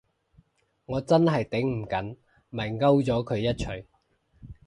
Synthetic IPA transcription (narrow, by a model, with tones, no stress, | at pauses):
ŋɔː˨˧t͡sɐ˥nɦɐ˨jt̪ɪ˨˥ŋm̩˨˩kɐ˨˥n | mɐ˨˩jŋɐ˥wt͡sɔː˨˥kʰɵ˨˧ɥjɐ˥t̚t͡ʃʰɵ˨˩ɥ